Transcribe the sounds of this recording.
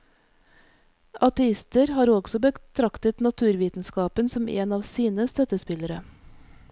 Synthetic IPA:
ʔɑt̪ɛɪst̪əɾhɑːɾɔɡsɔbət̪ʰɾɑkt̪ət̪nɑt̪ʰʉːɾʋiːt̪n̩skɑːpənsɔmʔḛːnɑːʋsiːnəst̪œt̪əspɪləɾə

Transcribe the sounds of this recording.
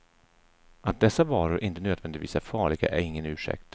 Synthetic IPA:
ʔat̪̚d̪ɛsːavɑːɾʊɾʔɪnt̪ənøːd̪vɛnd̪ɪt̪viːsæɾfɑːɭɪɡa̰ʔæɾɪŋːənʉ̟ːʂɛ̰k̚t̪

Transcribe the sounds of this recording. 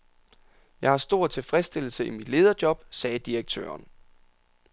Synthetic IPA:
jɑ̈ɪhɑ̈sd̥o̝ɐ̰t͡sʰe̝lfʁɛsd̥e̝l̰l̩səimid̥le̝ːð̞ˠɐd̥jɒ̽b̥sɛːd̥iɐɡ̥̚t͡sʰø̰ɐn

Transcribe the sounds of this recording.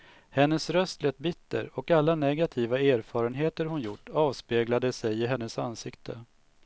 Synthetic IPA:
hɛnːəsɾœst̪lɛːt̪̚bɪt̪ʰːə̰ɾɔkalːanɛɡat̪ʰiːvaeːɾfɑːɾənɦeːt̪əɾhʊnjʊʈːɑːvspeːɡlad̪əsɛjɪɦɛnːəsansɪkt̪ʰə

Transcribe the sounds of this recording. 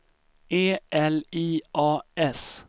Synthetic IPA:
eːʔɛliːʔɑːɛs

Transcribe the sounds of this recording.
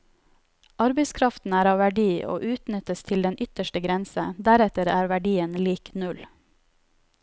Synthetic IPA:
ɑɾbəɪskʰɾɑft̪n̩æːɾɑːʋæɖiːʔo̰ːʔʉːt̪nʏt̪əst̪ʰɪld̪ɛnʏt̪əʃʈəɡɾɛnsəd̪æɾɛt̪əɾæːɾʋæɖiːənliːknʉl

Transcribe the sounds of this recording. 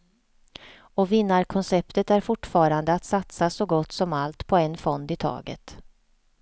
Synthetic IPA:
ɔvɪnːaɾkʰɔnsɛpt̪ət̪æɾfʊʈːfɑːɾand̪əat̪sat̪sasɔɡɔt̪ːsɔmalt̪pʰɔɛnfɔnd̪ɪt̪ʰɑ̰ːɡə̰t̪

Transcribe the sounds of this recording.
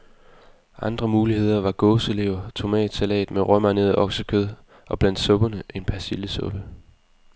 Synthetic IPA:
ʔɑ̈nd̥ʁɐmuːlihe̝ð̞̰ˠɐʋɑ̈ɡ̥ɔ̽ːse̝le̝ʊ̰ɐt͡sʰo̝mɛ̰ːd̥sælɛ̰ːd̥meʁœmɐne̝ðˠʔɒ̽ɡ̥səkʰøð̞ˠ | ʔɒ̽b̥læn̰d̥sɔ̽b̥ɐnəʔe̝npʰæɐsiləsɔ̽b̥ə

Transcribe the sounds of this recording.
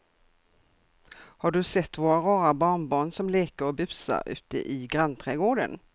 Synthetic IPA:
haɖɵsɛt̪ːvoːɾaɾɑːɾabɑːɳbɑːɳsɔmleːkəɾɔbʉpsa̰ʉ̟̰ːt̪ə̰ʔɪɡɾant̪ʰɾɛːɡoːɖə̰n

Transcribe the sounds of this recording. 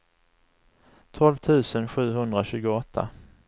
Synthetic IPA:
t̪ʰɔlvt̪ʰʉ̟ːsənɧʉ̟ːɦɵnd̪ɾaɕʉ̟ːɡʊɔt̪ʰːa̰

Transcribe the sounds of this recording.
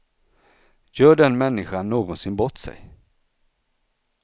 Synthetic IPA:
jœːɖɛnmɛnːɪɧanːoːɡɔnsɪnbɔt̪ːsɛ̰j

